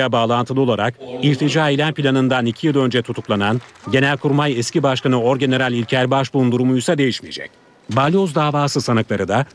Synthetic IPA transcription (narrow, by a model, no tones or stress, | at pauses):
abaːlˠant̪ʰɯlˠɯo̞lˠaɾakiɾʲt̪ʰid͡ʒaːilʲænpʰilʲanɯnd̪anicʰijilˠø̞nd͡ʒɛt̪ʰut̪ʰuklˠananɟe̞nælʲkʰuɾmajɛscibaʃkanɯo̞ɾɟe̞ne̞ɾalʲilʲcʰæɾbaʃbund̪uɾumujsad̪e̞jiʃmijḛd͡ʒɛ̰c | balʲo̞zd̪aːvaːsɯsanɯklˠaɾɯd̪a